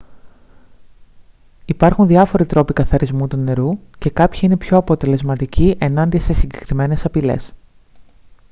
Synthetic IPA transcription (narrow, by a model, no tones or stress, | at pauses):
ipɐɾxunðiɐfo̞ɾit̪ɾo̞pikɐθɐɾizmut̪une̞ɾuce̞kɐpçiinepço̞ɐpo̞t̪e̞le̞zmɐt̪iciʔe̞nɐnd̪iɐse̞siɲɟe̞kɾime̞ne̞sɐpile̞̰s